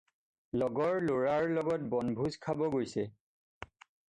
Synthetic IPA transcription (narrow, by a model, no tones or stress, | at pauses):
lɔɡɔɹloɹaɹlɔɡɔt̚bɔnbʱuzkʰabɔɡojsɛ